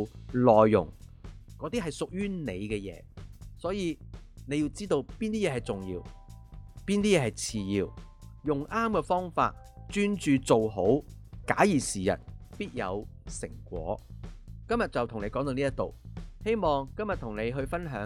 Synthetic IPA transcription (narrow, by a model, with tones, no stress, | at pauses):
lɔː˨jːʊ̰˨˩ŋ | kɔː˨˧˥t̪i˥ɦɐ˨jsʊ˨k̚jyː˥ne˨˧jkɛː˧jɛ̰ː˨˧sɔː˨˥jiː˨˧ne˨˧jiː˧wt͡siː˥t̪o˧wpiː˥nt̪iː˥jɛː˨˥ɦɐ˨˩jt͡sʊ˨ŋjḭː˧w | piː˥nt̪iː˥jɛː˧ɦɐ˨jt͡sʰiː˨˧jiː˧w | jʊ˨ŋʔaː˥mkɛː˧fɔː˥ŋfa̰ː˧t̚ | t͡ʃyː˥nt͡ʃyː˨˧t͡so˨wɦo˨˥w | ka̰ː˨˥jiː˨˩siː˨˩jɐ̰˨˩t̚piː˥t̚jɐ̰˨˧wsɪ̰˨˩ŋkʷɔ̰ː˨˥kɐ˥mjɐ˨t̚t͡sɐ˨wt̪ʰʊ˨ŋne˨˧jkɔː˨˥t̪o˧niː˥ɐ˥t̪o̰˨whe˥jmɔː˨ŋkɐ˥mjɐ˨t̪ʰʊ˨˩ŋne˨˧jɦɵ˧ɥfɐ˥nɦœ̰ː˨˥